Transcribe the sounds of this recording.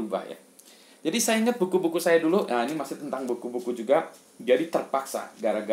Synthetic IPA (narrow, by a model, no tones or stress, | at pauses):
uba̰hja̰ | d͡ʒadisajaiŋət̪̚bukubukusajaduluʔainimasɪt̪ənt̪aŋbukubukud͡ʒuɡa | d͡ʒadit̪ərpaksa̰ɡaɾaɡa